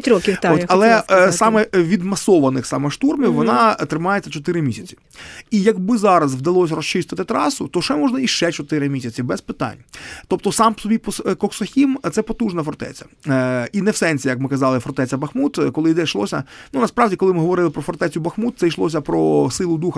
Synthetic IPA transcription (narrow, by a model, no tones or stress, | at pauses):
t̪ʲɾɔkʲioɐlˠɛsɑmɛʋʲid̪mɐsɔʋɐnɪxsɑmɛʃt̪urmʲiwʋɔnɑt̪ɾɪmɑjet͡sʲːɐt͡ʃɔt̪ɪɾɪmʲisʲɐt͡sʲi̥ | ijɐɡbɪzɑɾɐzʋd̪ɐlˠɔsʲɐɾɔst͡ʃɪst̪ɪt̪ɪt̪ɾɑsʊt̪ɔʃɛmɔʒnɐiʃɛt͡ʃɔt̪ɪɾɪmʲisʲɐt͡sʲibɛspɪt̪ɑ̰nʲt̪ɔp̚t̪ɔsɑmpsɔbʲipɔskɔksɔxʲimt̪sɛpɔt̪uʒnɐfɔrt̪ɛ̰t͡sʲɐ̥inɛwsɛnʲsʲijɐkmɪkɐzɑlˠɪfɔrt̪ɛt͡sʲɐbɐxmut̪kɔlˠɪjd̪ɛjʃlˠɔsʲɐ̰nunɐspɾɑʋdʲikɔlˠɪmɪɦɔʋɔɾɪlˠɪpɾɔfɔrt̪ɛt͡sʲʊbɐxmut̪̚sɛjʃlˠɔs̬ʲɐpɾɔsɪlˠʊd̪uxɐ